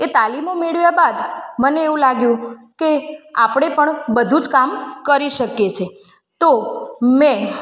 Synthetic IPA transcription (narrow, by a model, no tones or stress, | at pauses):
et̪alimomeɭʋjabad̪məneːũlaɡjũkea̰pɽ̃epəɳbəd̪ʱud͡ʒkamkəɾiʃəkjet͡ʃʰe | t̪ome